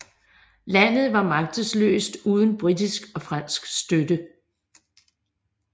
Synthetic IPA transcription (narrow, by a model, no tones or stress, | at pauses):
læn̰ð̞̩ˠʋɑ̈mɑ̈ɡ̥̚d̥əslø̰ːsd̥uːð̞ˠən̩b̥ʁidisɡ̥ɒ̽fʁɑn̰sɡ̥sd̥ød̥ə